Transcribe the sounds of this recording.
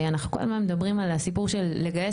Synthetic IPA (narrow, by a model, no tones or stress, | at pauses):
anaχnukola̰zmanmed̪abʁimalsipuʁʃelːeɡaje